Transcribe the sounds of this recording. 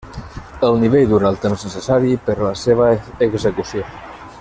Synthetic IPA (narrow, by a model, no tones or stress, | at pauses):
əlˠniβ̞eʎd̪uɾalˠt̪emznəsəsaɾipəɾləseβ̞əːɡzəkusjo